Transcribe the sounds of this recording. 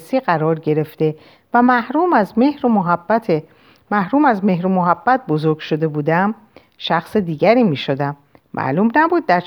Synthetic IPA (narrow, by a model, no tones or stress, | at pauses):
siːɢæɾɒːɾɟe̞ɾe̞ft̪e̞ | væmæhɾuːmæzmehɾomoɦæb̥ːæt̪ʰe | mæhɾuːmæzme̞ɦɾomoɦæbːæt̪̚bozo̞ɾɡʃo̞d̪e̞buːd̪æm | ʃæxsed̪iːɟæɾiːmiːʃod̪æmː | ʔæ̰ʔluːmnæbuːd̪̚ːæɾ